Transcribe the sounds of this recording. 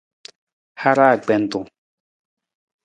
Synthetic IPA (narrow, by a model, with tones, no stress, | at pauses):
ha˦ɾa˦˨k͡pɛ˨n˨t̪o˨